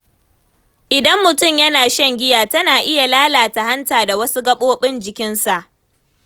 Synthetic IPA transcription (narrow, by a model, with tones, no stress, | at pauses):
ʔɪ˨dɐ˦mːʊ˨tʊ˦˨mjɐ˦naː˨ʃɛ˦ŋɡʲɪ˦jaː˨tɐ˦naː˨ʔɪ˦ja˨laː˦laː˨ta˨ha˦ntaː˨da˨wɐ˦su˦ɡɐ˦ɓoː˦ɓɪ˦nd͡ʒɪ˨kʲɪ˦nsa˨ʔ